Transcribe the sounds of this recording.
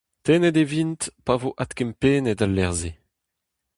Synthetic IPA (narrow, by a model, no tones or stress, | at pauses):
t̪enɛd̪evint̪pavoʔat̪kɛmpeːned̪alːɛʁze